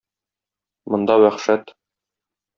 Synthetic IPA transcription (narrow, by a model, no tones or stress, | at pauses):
mŏnd̪ɑwæχʃæt̪